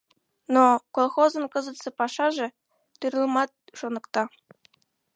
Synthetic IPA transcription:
nokolˠxozɤ̆nkɤ̆zɤ̆t̪sɤ̆pɑʂɑʐĕ | t̪yɾʲɤlˠmɑt̪̚ʃonɤ̆kt̪ɑ

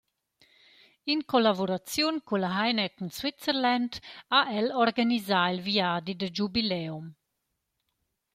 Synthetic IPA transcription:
inkɔlabuɾat͡sjunkulaɦajnəkunswit͡səɾlandaʔɛlɔɾɡanizailviaːd̪id̪əd͡ʒubilɛum

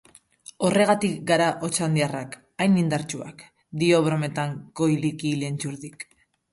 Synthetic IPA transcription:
o̞re̞ɣat̪ikɡaɾaʔo̞t͡ʃand̪iarak | ajnind̪aɾt͡ʃua̰k | d̪io̞βɾo̞me̞t̪aŋko̞jlikiːle̞nt͡ʃuɾðik

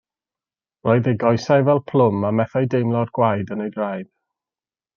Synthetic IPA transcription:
rɔːɨðejɡɔjsajvɛlˠpʰl̥ˠʊmamɛθajdejmlˠɔrɡ̥wajdənejdrajd̥

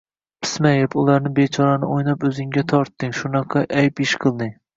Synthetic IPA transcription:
pʰɪ̥smajɪpʊlˠaɾnɪbet͡ʃʰɒɾanɪojnapɵzɪŋɡʲat̪ʰɒɾt̪ːɪŋʃʊnɑqʰɑʔajpɪʃqʰɨlˠd̪ɪŋ

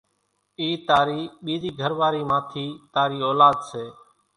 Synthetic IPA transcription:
iːt̪aːɾiːɓiːd̪iːɡʱəɾʋaːɾiːmãːt̪ʰiːt̪aːɾiːoːlaːd̪seː

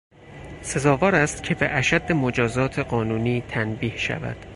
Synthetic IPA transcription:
se̞zɒːvɒːɾæst̪cʲʰe̞beʔæʃæd̪ːemod͡ʒɒːzɒːt̪ʰe̞ɢɒːnuːniːt̪ʰænbiːhʃæ̰væ̰d̪̥

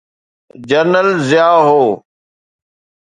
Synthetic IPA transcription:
d͡ʒəɾnəlzɪjaːɦoː

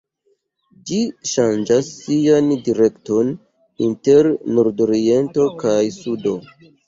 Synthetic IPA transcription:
d͡ʒiʃand͡ʒasːiandiɾe̞kto̞n | inte̞ɾnoɾdoɾie̞nto̞kajsudo̞

